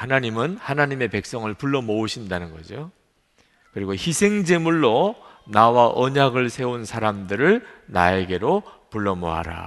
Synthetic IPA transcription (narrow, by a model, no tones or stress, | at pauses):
hanaɲimɯnhanaɲime̞pe̞k̚s͈ʌŋɯɭpuɭːʌmouɕʰindanɯnɡʌ̰d͡ʑo | kɯɾiɡoçisʰe̞ŋd͡ʑe̞muɭːonawaʔʌɲaɡɯɭsʰe̞unsʰaɾamdɯɾɯɭna̰e̞ɡe̞ɾopuɭːʌmo̰ɦa̰ɾa̰